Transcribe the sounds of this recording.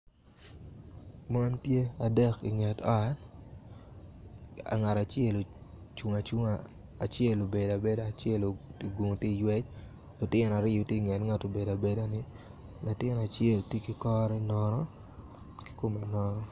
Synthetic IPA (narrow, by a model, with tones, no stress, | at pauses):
ma˦npje˦a˨dɛ˦kḭ˨ŋɛ˨ta̰˦ | a̰˨ŋa˨ta˨t͡ʃɛ˦lo˨ | t͡ʃu˨ŋa˨t͡ʃu˦ŋaː˨ | t͡ʃjɛ˦lo˨be˨da˨be˦da˦˨t͡ʃɛ˦lo˨ɡu˨ŋ˨ti˦jwɛ˦t͡ʃ | lʊ˨tɪ˦na˨ɾɪ˦jo˨tje˦˨ŋɛ˨tŋa˨to˨be˨da˨be˦da˦nɪ˦ | lʊ˨tɪ˦na˨t͡ʃjɛ˦ltje˦ki˨kɔ˦ɾɛ˦nɔ˨nɔ˦ | ki̥˦ko˨me˨nɔ˦nɔ˦